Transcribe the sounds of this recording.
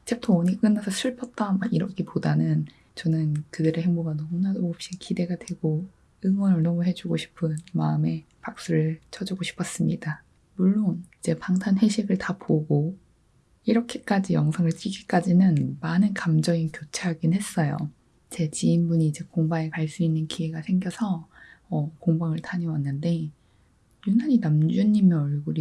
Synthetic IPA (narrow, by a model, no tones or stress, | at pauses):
t͡ɕep̚tʰooɲik͈ɯnːasʰʌsʰuɭpʰʌt̚t͈amaiɾʌkʰepodanɯn | t͡ɕʌnɯnkɯdɯɾeɦeŋboɡanʌmunadoop̚ɕ͈ikide̞ɡadwe̞ɡ̥o | ɯŋwʌnɯɭnʌmuɦe̞d͡ʑuɡoɕʰi̥pʰɯnmaɯme̞ | pak̚s͈uɾɯɭt͡ɕʰʌd͡ʑuɡoɕʰi̥pʰʌs͈ɯmɲida | muɭːonid͡ʑe̞paŋtʰanɦe̞ɕʰiɡɯɭtapoɡo | iɾʌkʰe̞̥k͈ad͡ʑijʌŋsʰaŋɯɭt͡ɕ͈iɡik͈ad͡ʑinɯnmanɯnkamd͡ʑʌŋikjot͡ɕʰeɦaɡinhe̞s͈ʌjo̰ | t͡ɕe̞t͡ɕiːmbuɲiːd͡ʑe̞koŋbaŋe̞kaɭs͈uinːɯnkʰie̞ɡasʰe̞ŋɡjʌsʰʌʌkoŋbaŋɯɭtʰaɲiwanːɯnde̞ | junaɲinamd͡ʑuɲːimjʌʌɭɡuɾi